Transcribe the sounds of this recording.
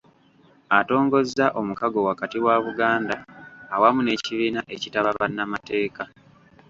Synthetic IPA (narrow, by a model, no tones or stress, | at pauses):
ato̞ːŋɡo̞zːaʔo̞mukaɡo̞wakatiwaβuɡaːndaːwamune̞ːciβiːnaʔe̞citaβaβanːamate̞ːka